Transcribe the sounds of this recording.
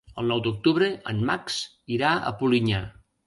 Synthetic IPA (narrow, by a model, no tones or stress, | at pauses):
əlˠnɔwd̪uk̚t̪uβɾəə̰nmaks | iɾaə̰puliɲa